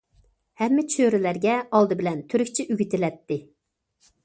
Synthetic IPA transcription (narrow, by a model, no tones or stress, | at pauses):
hɛmːɪt͡ʃʰøɾɪlæɾɡʲɛɑlˠd̪ɨbɪlɛnt̪ʰyɾykʲt͡ʃʰɪʔyɡʲit̪ɪlɛt̪ːɪ